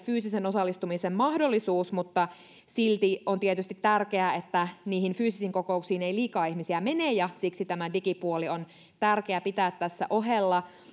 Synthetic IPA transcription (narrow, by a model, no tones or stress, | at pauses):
fyːsisenosɑlːˑist̪umisemmɑhdolːisuːsmut̪ːɑ | silt̪iont̪iet̪yst̪it̪t̪ærkeæet̪ːæniːhinfyːsisiŋkokoˑuksiːneiliːkɑːihmisiæmeneːjjɑsiksit̪æmædikipuolion | t̪ærkeæpit̪æːt̪t̪æsːæ̰ʔoɦelːɑ